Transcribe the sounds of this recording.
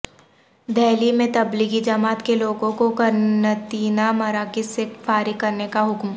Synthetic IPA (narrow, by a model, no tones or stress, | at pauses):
d̪ʱɛːlimẽt̪ɐbliɡid͡ʒɐmaːt̪keloːɡõkokɐɾnət̪iːnamɐɾaːkɪsefʰaːɾikɐɾnekaɦʊkm